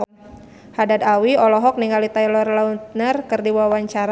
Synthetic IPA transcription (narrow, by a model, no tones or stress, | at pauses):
hadad̪awiɔlɔɦɔk̚niŋalit̪ajlɔrlaut̪̚nərkɨrdiwawaɲt͡ʃaɾa